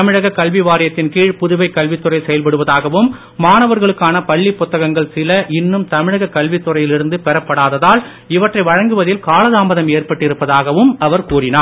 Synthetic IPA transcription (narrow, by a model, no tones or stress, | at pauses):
ɐmɪɻɐɣɐkːɐlʋiʋaːɾɪjɐt̪ːɪnkiːɻpʊðʊʋɐɪkːɐlʋɪt̪ːɯrɐɪsɛjɐlpɐɽɯʋɐðaːɣɐʋɯmː | aːnɐʋɐɾɣɐɭɯkːaːnɐpɐɭːipːʊt̪ːɐɣɐŋɡɐɭsɪlɐʔɪnːɯmt̪ɐmɪɻɐɣɐkːɐlʋɪt̪ːɯrɐjɪlɪɾɯnd̪ɯpɛɾɐpːɐɽaːðɐðaːl | ɪʋɐʈrɐɪʋɐɻɐŋɡɯʋɐðɪlkaːlɐðaːmbɐðɐmeːɾpɐʈːɪɾɯpːɐðaːɣɐʋɯmɐʋɐɾkuːrɪnaː